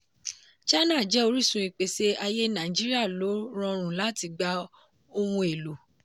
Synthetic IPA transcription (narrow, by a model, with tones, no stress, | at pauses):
t͡ʃa˦nã˦˨d͡ʒɛ˨˦o˧ɾi˦sũ˧i˨k͡pe˨se˦a˧je˦nã˨d͡ʒi˦ɾi˦a˦˨lo˨˦ɾ̃ɔ̃˧ɾ̃ũ˨la˨˦ti˧˨ɡ͡ba˧˦ | o˧wũ˧e˨lo˨